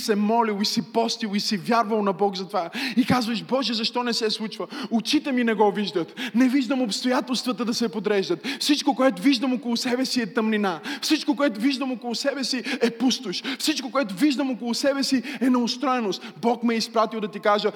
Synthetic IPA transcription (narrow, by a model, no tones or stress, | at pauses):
sɛmɔlilˠisipɔst̪ilˠisivʲjaɾvəlˠnɐbɔkzɐt̪ovaikazvəʃbɔʒɛzɐʃt̪ɔnɛsɛslˠut͡ʃvəʊt͡ʃit̪ɛminɛɡɔviʒd̪ət̪nɛviʒd̪əmopst̪ojat̪ɛlˠst̪vət̪əd̪ɐsɛpod̪ɾɛʒd̪ət̪fsit͡ʃkokoɛt̪ʊviʒd̪əmokolˠʊsɛbɛsiɛt̪ɐmninafsit͡ʃkokoɛt̪ʊviʒd̪əmokolˠʊsɛbɛsiɛpust̪ʊʃfsit͡ʃkokoɛt̪ʊviʒd̪əmokolˠʊsɛbɛsiɛnɛost̪ɾɔɛnʊst̪bɔkmɛispɾat̪ilˠd̪ɐt̪ikaʒə